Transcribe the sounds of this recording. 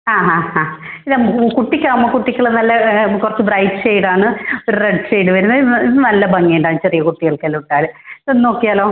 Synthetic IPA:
aːɦaːhaː | iðɐmkuʈːikʲːaːmːoːkuʈːikʲːɐɭɐnɐlːɐkurɐt͡ɕːɨbrɐjɖʂejɽaːɳɨoɾureɖʂejɽɨʋɐɾunːɐiɨnɐlːɐbɐŋːeːɳɖaːɳt͡ɕerijɐkuʈːiɣɐɭkeluʈːaːlɨponːno̞ːkːijaːlo̞ː

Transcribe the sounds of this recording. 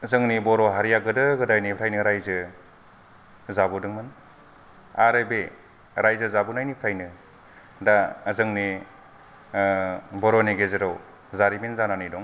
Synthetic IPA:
zɯŋnibɔɾɔɦaɾijaɡɯdɯɡɯdajnipʰɾʰajnɯɾajzɯ | zabudɯŋmɯn | aɾebe | ɾajzɯzabunajnipʰɾʰajnɯ | dazɯŋni | bɔɾɔneɡezɯɾaw | zaɾiminzananɯjdɔŋ

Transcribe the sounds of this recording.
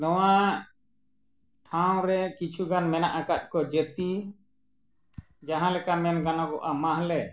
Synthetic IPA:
nɔwa | ʈʰaw̃ɾɛkit͡ʃʰuɡanmɛnaʔakat̪̚ˀkɔd͡ʒet̪i | d͡ʒaɦãlɛkamɛnɡanaɡɔʔamaɦlɛ

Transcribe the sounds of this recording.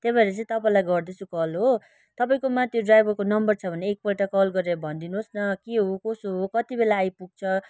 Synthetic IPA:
t̪epaeɾʌt͡sʌ̃ĩt̪ʌpaĩlajɡʌrd̪ʌsʰukʌlɦo | t̪ʌpaĩkomat̪joɖrajbʌrkonʌmbʌrt͡sʰʌbʱʌneːk̚pʌʈakʌlɡʌɾeɾʌbʱʌnd̪inuɦosnʌkeɦokosoɦokʌt̪ibelaːjpuɡ̚t͡sʰʌ

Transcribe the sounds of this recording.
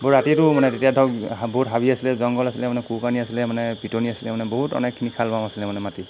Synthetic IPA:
bɔɹːatitʊmanɛtetijadʱɔɡboɦutɦabiasilɛzɔŋɡɔlasilɛmanɛkukaniasilɛmanɛpitoniasilɛmanɛboɦutɔ̰nɛkʰːinikʰalbamasilɛmanɛmati

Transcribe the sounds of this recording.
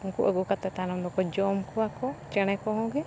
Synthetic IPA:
uŋkuʔəɡukat̪ɛt̪anɔmd̪ɔkɔd͡ʒɔmkɔakɔt͡ʃɛɽ̃ɛkɔɦɔ̃ɡɛ

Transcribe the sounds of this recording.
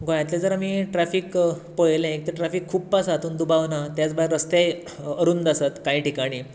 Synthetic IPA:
ɡõjat̪ljad͡zəɾamiʈɾafiːkpojlẽek̚t̪eʈɾafiːkʰːuːb̚pasat̪uːnd̪ubaʋnat̪jat͡sbəaɾəst̪aj | əɾuːnd̪əsat̪kaiːʈikaɽ̃iː

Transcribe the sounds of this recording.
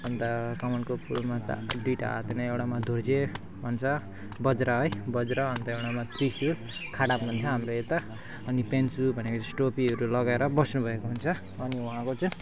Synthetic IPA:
ʌnt̪akʌmʌnkopʰulmat͡sa̰ɖiʈa̰t̪enaewɽamad̪ʱord͡ze | bʱʌnt͡sʰʌ | bʌd͡zɾaɦʌjbʌd͡zɾaːnt̪ʌewɽamat̪risil | kʰaɽamunt͡sʰʌɦamɾoet̪a | ʌnipent͡subʱʌnekot͡sʌ̃sʈopiʌɾulʌɡaeɾʌbʌsnubʱʌekoɦunt͡sʰʌː | niwuɦãkot͡sʌ

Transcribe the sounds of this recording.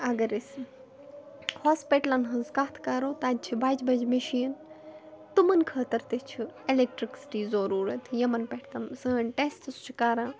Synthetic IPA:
ɐɡɐɾis | hoːspiʈɐlɐnɦɐzkaːt̪ʰkaːɾoːt̪aːd̪̚t͡ʃʰibaːd͡ʒbɐd͡ʒmɐʃiːn | t̪umɐnkʰɐːt̪ɐɾt̪it͡ʃʰielek̚ʈɾiksi̥ʈiːzoɾuːɾɐt̪ʰjɐmɐnpeʈʰt̪ɐmsəːɐnʈest̪ɨst͡ʃʰi̥kaːɾãː

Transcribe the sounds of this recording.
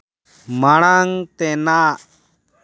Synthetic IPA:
maɽ̃aŋt̪ɛnaʔ

